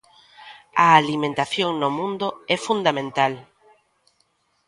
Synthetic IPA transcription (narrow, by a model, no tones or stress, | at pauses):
aːlimẽnt̪aθjoŋnomũnd̪ʊɛfund̪amẽnt̪al